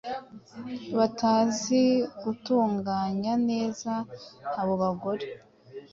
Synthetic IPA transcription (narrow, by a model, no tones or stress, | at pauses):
βataːziɡutuːŋɡaːɲane̞ːzaːβo̞βaɡo̞ɾe